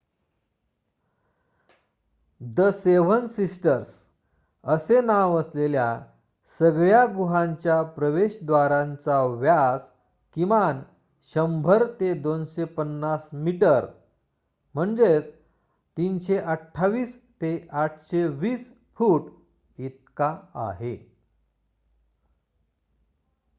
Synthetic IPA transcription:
d̪əseʋənsisʈəɾs | əsenaʋəslelja̰ | səɡɭjaɡuɦãɲt͡ɕjapɾəʋeɕd̪ʋaɾãnt͡saʋjas | kiʋan | ɕəmbʱəɾt̪ed̪onɕepənːasmiʈəɾ | m̤əɳd͡zet͡s | t̪inɕeʔəʈʰːaʋiːs | t̪eʔaʈʰɕeʋiːs | fuːʈ | it̪̚kaa̰ɦe

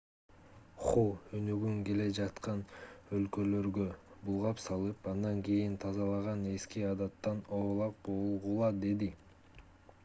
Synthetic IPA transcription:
χoønyɡyŋke̞le̞d͡ʒɑt̪qɑnølkølø̞ɾɡø̞bulˠʁɑpsɑlˠɯpɑnd̪ɑŋkejint̪ʰɑzɑlˠɑʁɑne̞skiɑd̪ɑt̪ːɑnoːlˠɑq̚bolˠʁulˠɑd̪e̞d̪i

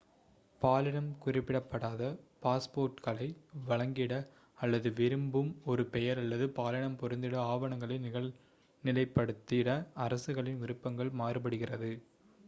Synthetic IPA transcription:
paːlɪɳɐmkʊrɪpːɪɽɐpːɐɽaːðɐpaːspoːɾʈkɐlɐɪʋɐɭɐŋɡɪɽɐ | ɐlːɐðɯʋɪɾɯmbɯmɔɾɯpɛjɐɾɐlːɐðɯpaːlɪɳɐmpɔɾɯnd̪ɪɽɐaːʋɐɳɐŋɡɐɭɐɪnɪɣɐɭ | nɪlɐɪpːɐɽɯt̪ːɪɽɐɐɾɐsɯɣɐɭɪnʊɾɯpːɐŋɡɐɭmaːrɯpɐɽɯɣɪrɐðɯ

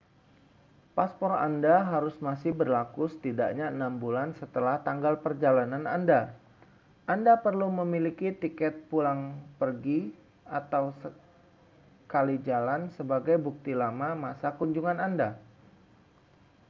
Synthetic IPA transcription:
paspɔrandaɦaɾʊsmasɪhbərlakusə̥t̪ida̰ʔɲaənambulansət̪əlaht̪aŋɡalpərd͡ʒalanananda | ʔandapərluməmilikit̪ikɛt̪̚pulaŋpərɡi | at̪awsə | kalid͡ʒalansəbaɡajbuk̚t̪ilamamasakuɲd͡ʒuŋananda

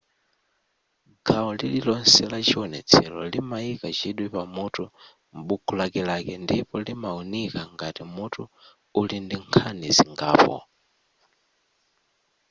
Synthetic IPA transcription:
ɡaɔlililɔnsɛlat͡ʃiɔnɛ̰t͡sʰɛlɔlimaikat͡ʃiɗwipamutʰu | m̩ɓukʰulakɛlakɛndipɔlimaunikaŋɡatimutʰu | ulindiŋkʰaniziŋɡa̰ːpɔ̰

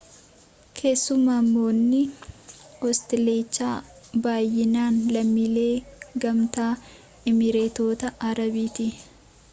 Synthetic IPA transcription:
kʰe̞ːsːʊmaːmːo̞ːnːɪ | hɔst̪ɛle̞ːt͡ʃːaː | baːjːɪnaːnlɐmːile̞ːɡɐmt̪aː | ɪmɪɾeːt̪o̞ːt̪ɐʔɐɾɐbiːt̪ɪ

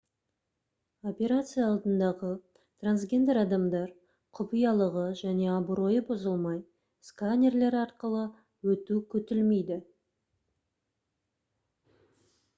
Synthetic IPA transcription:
o̞pʲe̞ɾat̪sɨjaɑlˠd̪ənd̪ɑʁə | t̪ʰransɡʲe̞nd̪e̞ɾɑd̪ɑmd̪ɑɾ | qʰʊpijɑlˠəʁəʒæne̞ɑbuɾo̞jəbozəlˠmɑj | skanʲe̞rle̞ɾɑɾqəlˠə | wɵt̪ukʲʰɵt̪ɪlme̞jd̪ɪ

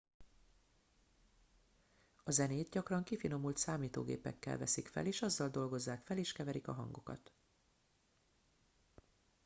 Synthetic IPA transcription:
ɒzɛneːt̪ɟɒkrɒŋkifino̞mult̪saːmiːt̪o̰ːɡḛːpɛ̰kːɛ̰lvɛ̰sikfɛ̰leːʃɒzːɒld̪o̞lɡo̞zːaːkfɛleːʃkɛvɛɾikɒɦɒ̰ŋɡokɒ̰t̪

